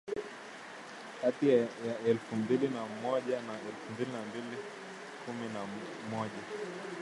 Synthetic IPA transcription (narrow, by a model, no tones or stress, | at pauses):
katijajaɛlfumbilinamɔʄanaɛlfumbilinambili | kʰumina | mɔʄa